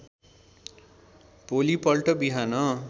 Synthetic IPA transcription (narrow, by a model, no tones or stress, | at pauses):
polipʌlʈʌbiɦanʌ